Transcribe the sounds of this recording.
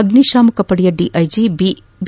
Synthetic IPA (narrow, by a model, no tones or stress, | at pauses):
ɐd̪niʃaːmukɐpɐɽijɐɖiʔɐjd͡ʒib | b